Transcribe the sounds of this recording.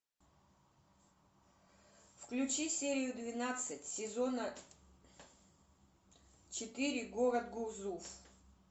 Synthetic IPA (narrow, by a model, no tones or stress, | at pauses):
fklʲut͡ɕisʲeɾʲɪjʊd̪vʲɪnat̪sɨtʲsʲɪzonə | t͡ɕɪt̪ɨɾʲɪɡoɾəd̪ɡuzuf